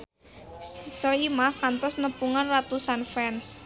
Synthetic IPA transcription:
sɔimahkant̪ɔsnəpuŋanrat̪usanfɛns

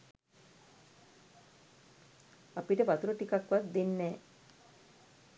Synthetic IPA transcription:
apiʈəbat̪uɾoʈikakʋat̪d̪inːɛː

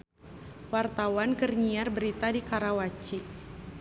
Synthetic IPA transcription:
wart̪awankərɲiarbəɾit̪adikaɾawat͡ʃi

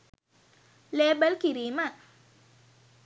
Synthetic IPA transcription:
lebəlkiɾima

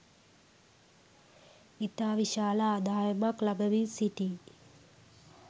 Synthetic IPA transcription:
it̪aːʋiʃaːlaːd̪aːjəmaklabəʋisiʈiː

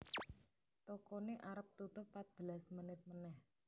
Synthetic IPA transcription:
t̪okoneʔaɾəp̚t̪ut̪ʊpːat̪̚b̥əlasmənɪt̪̚mənɛh

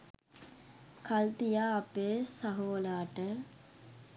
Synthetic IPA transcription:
kʰalt̪ijaːpeːsaɦoːlaːʈə

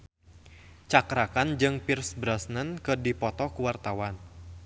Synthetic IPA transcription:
t͡ʃakɾakand͡ʒɨŋpirsbɾasnənkɨdipɔt̪ɔkuwart̪awan

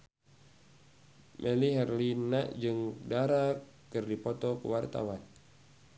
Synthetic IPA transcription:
mʔɛliɦɛrlinaʔd͡ʒɨŋdaɾa | kɨrdipɔt̪ɔkṵwart̪a̰wan

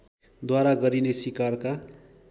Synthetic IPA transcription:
d̪waɾaɡʌɾinesikarka

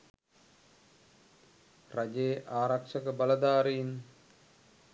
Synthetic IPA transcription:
rad͡ʒejːʔaːɾakʂəkəbaləd̪aːɾein

